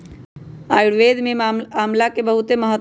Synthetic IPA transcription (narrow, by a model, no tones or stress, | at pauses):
aːjuɽʋed̪ʱmeamlakebəɦut̪eməɦət̪